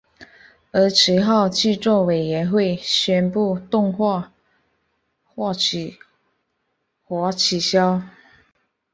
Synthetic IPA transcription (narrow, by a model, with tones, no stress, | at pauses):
ə˧˥ʈ͡ʂʰɻ̩˧˥xɑ˥˧ʊt͡ɕʰi˥˧ʈ͡ʂwɔ˥˩we˨˩ɪɥɛ˧˥nxwe˥˩ɪɕɥɛ˥npu˥˧t̪ʊ˥˧ŋxwa˥˧˨ | xwa˥˩t͡ɕʰy˨˩ | xwɔ˧˥t͡ɕʰi˨˩ɕjɑ˥ʊ